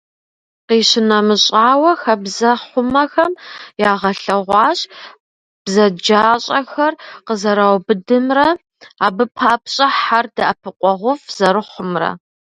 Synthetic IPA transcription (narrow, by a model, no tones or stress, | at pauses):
qiːɕɪnɐmɨɕʼaːwɐxɐbzɐχʷʊmɐxɐmjaːʁɐɬɐʁʷɑːɕʼ | b̥zɐd͡ʒaːɕʼɐxɐrqəzɐɾawbɨdɨmrɐ | aːbɨpʰaːpɕʼɐħardɐʔɐpʰɨqʷʼɔʁʷʊfz̥ɐɾɨχʷʊmrɐ̰